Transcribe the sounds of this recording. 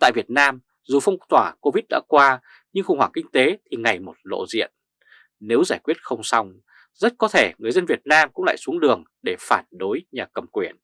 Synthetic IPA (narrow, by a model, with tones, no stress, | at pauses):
t̪a̰ː˧˨jvi˨˩ət̚naː˧m | zu˨˩fɔ˧wŋ͡mt̪waː˧˩ko˧vi˦˥t̚ɗa̰ː˧˥kwaː˧ | ɲɨ˧ŋxʊ˨˩ŋ͡mhwaː˧˩ŋkï˧ŋ̟t̪e˨˦t̪ʰi˨˩ŋa˨˩jmo˨˩t̚lo̰˧˨zḭ˧˨ən | ne˨˦wzaː˧˩jkwi˦˥ət̚xə˧wŋ͡msa˧wŋ͡m | zə˦˥t̚kɔ˨˦t̪ʰe˧˩ŋɨ˨˩əjzə˧nvi˨˩ət̚naː˧mkʊ̰˧˥ŋ͡mla̰ː˧˨jsu˨˦əŋɗɨ˨˩əŋ | ɗe˧˩faː˧˩nɗo˨˦jɲaː˨˩kə˨˩mkwi˧˩ən